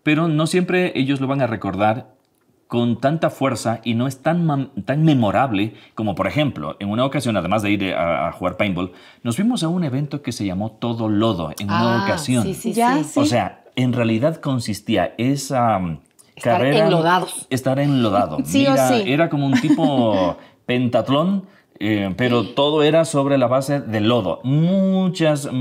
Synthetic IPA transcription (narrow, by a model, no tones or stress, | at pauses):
pe̞ɾo̞no̞sje̞mpɾee̞ʝo̞zlo̞βaŋare̞ko̞ɾðaɾ | ko̞nt̪ant̪afwe̞ɾsaino̞est̪ant̪aŋme̞mo̞ɾaβle̞ko̞mo̞po̞ɾe̞xe̞mplo̞̰e̞ŋunaokasjo̞naðe̞mazðe̞iɾa̰a̰xuɣaɾpajmbol | no̞zβimo̞s̬aune̞βe̞nt̪o̞ke̞se̞ʝamo̞t̪o̞ðo̞lo̞ðo̞̰eŋunaokasjo̞nasos̬ea̰e̞nrealiðaðko̞nsist̪ia̰esa | kaβeɾðaðoest̪aɾenlo̞ðaðoiɾaie̞ɾako̞mount̪ipo | pe̞nt̪at̪lo̞n | epe̞ɾo̞t̪o̞ðo̞e̞ɾaso̞βɾe̞laβase̞ðe̞lo̞ðo̞̰mut͡ʃas